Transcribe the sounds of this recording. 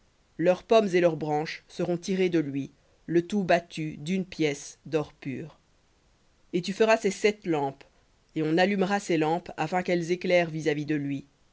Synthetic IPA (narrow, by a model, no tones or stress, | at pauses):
lœʁpɔmzelœʁbʁɑ̃ʃsəʁɔ̃t̪iʁed̪əlɥi | lət̪ubat̪yd̪ynpjɛsd̪ɔʁpyːʁ | et̪yfəʁasesɛt̪lɑ̃p | eɔ̃nalymʁaselɑ̃pafɛ̃kɛlzeklɛʁvizavid̪əlɥi